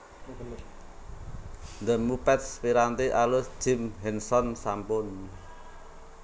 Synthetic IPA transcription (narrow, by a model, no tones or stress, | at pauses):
nd̪əmupɛt̪spiɾant̪iʔalʊsd͡ʒ̥ɪ̤mɦɛnsɔnsampʊn